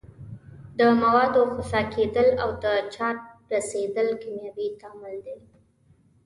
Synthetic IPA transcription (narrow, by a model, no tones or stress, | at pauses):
d̪əmawɑd̪oxasɑked̪əlawd̪ət͡ʃɑɾ̚ɾased̪əlkamjɑbit̪ɑmɪld̪e